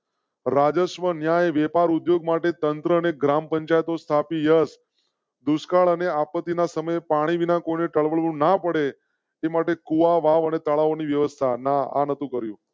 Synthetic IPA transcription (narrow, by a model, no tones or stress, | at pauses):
ɾad͡ʒəʃʋənjajʋɛpaɾud̪joɡ̚maʈet̪ənt̪ɾəːneɡɾampəɲt͡ʃajət̪ost̪ʰapijəs | d̪uskaɭəneapət̪ːinasəməjepaɽ̃iʋinãkoineʈəɭʋəɭʋũnapəɽe | emaʈekuʋaʋaʋənet̪əɭaoniʋjəʋəst̪ʰanaa̰nət̪ũkəɾjũ